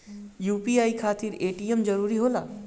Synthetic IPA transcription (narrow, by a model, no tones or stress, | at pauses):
juːpiaːikʰaːt̪iɾeːʈijemd͡ʒəɾuːɾiɦoːla̰ː